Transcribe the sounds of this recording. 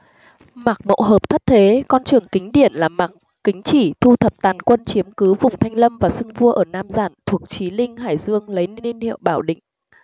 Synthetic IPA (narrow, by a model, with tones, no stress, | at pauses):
ma˨˩k̚mo̰˧˨ɦəː˨˩p̚t̪ʰə˦˥t̚t̪ʰe˨˦kɔ˧nt͡ɕɨ˨˩əŋkï˨˦ŋ̟ɗi˧˩ənlaː˨˩ma˨˩k | kï˨˦ŋ̟t͡ɕi˧˩t̪ʰu˧t̪ʰə˨˩p̚t̪aː˨˩nkwə˧nt͡ɕi˨˦əmkɨ˨˦vʊ˨˩ŋ͡mt̪ʰa˧jŋ̟lə˧mvaː˨˩sɨ˧ŋvu˧əʔəː˧˩naː˧mzaː˧˩nt̪ʰu˨˩ək̚t͡ɕi˨˦lï˧ŋ̟ɦa̰ː˧˩jzɨ˧əŋlə˨˦jni˧nhḭ˧˨ə˨wɓaː˧˩wɗḭ̈˧˨ŋ̟